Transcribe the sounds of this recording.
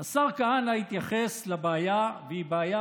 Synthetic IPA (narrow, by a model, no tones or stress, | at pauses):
asaʁkahanait̪jaχeslabeajaveibaːja